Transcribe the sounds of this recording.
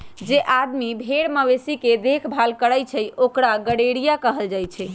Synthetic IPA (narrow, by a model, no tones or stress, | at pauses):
d͡ʒeʔad̪mibʱeɽməʋesiked̪ekʰbʱalkəɽəjt͡ʃʰɛjokɾaɡəɽeɽijakəɦəld͡ʒajt͡ʃʰɛ